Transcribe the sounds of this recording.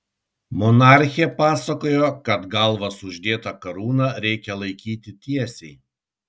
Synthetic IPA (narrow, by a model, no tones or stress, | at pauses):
mɔnɑˑɾʲxʲɪɛpɑːsɐkoːjokɐt̪ɡɐlˠʋɐsʊʒʲd̪ʲeːt̪ɐkɐɾuːnɑːɾʲɛɪkʲɛlˠɐɪkʲiːt̪ʲɪt̪ʲiɛsʲɛɪ